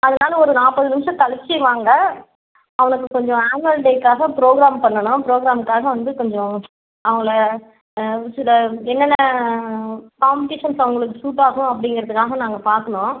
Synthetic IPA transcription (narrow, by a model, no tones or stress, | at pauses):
ɐðɐnaːlɐɔɾɯnaːpɐðɯnɪmʂɐ̃t̪ɐlɪt͡ʃːɪʋaːŋɡɐ | ɐʋɐnɯkːɯkɔɲd͡ʒɔ̃aːnɐlɖekːaːɣɐpɪɾoːɣɾaːmpɐɳːɐɳʊ̃pɾoːɡɾaːmkːaːɣɐʋɐnd̪ɯkɔɲd͡ʒɔ̃ | ɐʋɐŋɡɐɭɐ | sɪlːɐɛnːɐnːɐ | kɐːmbʈeːʂɐnsɐʋɐŋɡɐɭɯkːɯsuːʈːaːɣʊ̃ɐp̬ːɐɽɪŋɡɪɾɐðɯkːaːɣɐnaːŋɡɐpaːɾkɐɳõː